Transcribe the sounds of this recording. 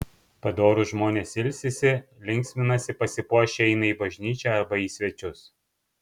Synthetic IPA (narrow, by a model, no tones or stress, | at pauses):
pɐd̪oːɾʊʒmoːnʲeːsɪlʲsʲɪsʲɪlʲɪŋʲksʲmʲɪnɐsʲɪpɐsʲɪpuɔʃʲeːɛɪnɐiːbɐʒʲnʲiːt͡ʃʲɛɐɾbɐiːsʲʋʲɛt͡ʃʲʊs